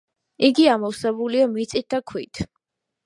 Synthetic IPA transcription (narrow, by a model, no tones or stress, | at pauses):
iɡiamɔwsɛbuliɔmit̪sʼit̪̚d̪akʰwit̪ʰ